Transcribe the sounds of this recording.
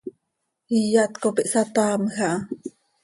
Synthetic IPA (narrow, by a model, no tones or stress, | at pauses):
ijaʔt̪kopiʔsat̪aːmxaʔ